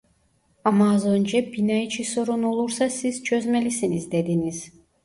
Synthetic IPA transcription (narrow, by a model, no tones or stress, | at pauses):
amaːzønd͡ʒɛbinajit͡ʃʰiso̞ɾunolˠuɾsasiz̥t͡ʃʰø̞zmelʲisinizd̪ed̪iniz̥